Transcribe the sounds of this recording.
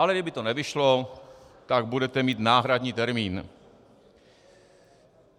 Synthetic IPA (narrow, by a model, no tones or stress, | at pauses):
alɛɡdɪbɪt̪onɛvɪʃlot̪aɡbudɛt̪ɛmiːt̪naːɦɾadɲiːt̪ɛɾmiːn